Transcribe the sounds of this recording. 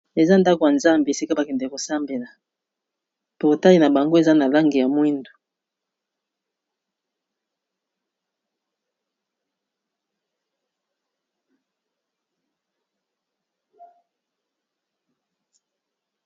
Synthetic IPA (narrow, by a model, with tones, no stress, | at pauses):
e˨za˦nda˦ko˨ja˨nza˦mbe˨e˨si˦ka˦ba˨kɛ˨nde˨ko˨sa˦mbe˨la˨ | po˨o˨ta˦li˨na˨ba˨ŋɡo˦e˨za˦na˨la˦ŋɡi˨ja˨mwi˦ndu̥˨